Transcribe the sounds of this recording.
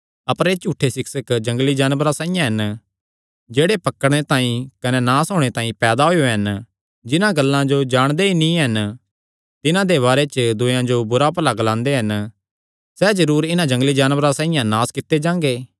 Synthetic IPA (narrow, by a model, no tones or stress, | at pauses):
ɐpəɾet͡ʃuːʈʰːesɪksəkd͡ʒɐ̃ŋɡlid͡ʒaːnbɾasãːɪjãɦɐn | d͡ʒeːɽepɐkːəɽɽ̃et̪ãːĩkɐnenaːsɦoːɽ̃et̪ãːĩpɛːd̪aɦojoɦɐn | d͡ʒɪnãɡɐlːãd͡ʒod͡ʒaːɽ̃d̪einĩɦɐn | t̪ɪnãd̪eβaːɾet͡ʃd̪ʊjãd͡ʒobʊɾapɐlaɡlãːnd̪eɦɐn | sɛːd͡ʒɐɾuːɾɪnãd͡ʒɐ̃ŋɡlid͡ʒaːnʋɾasãːɪjãnaːskɪt̪ːed͡ʒãːŋɡeː